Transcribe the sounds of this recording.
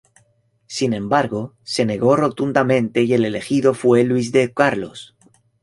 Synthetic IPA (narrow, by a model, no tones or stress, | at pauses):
sinẽ̞mbaɾɣo̞ | se̞ne̞ɣo̞ro̞t̪und̪amẽ̞nt̪e̞ije̞le̞le̞xiðo̞fwe̞lwizðe̞kaɾlo̞̰s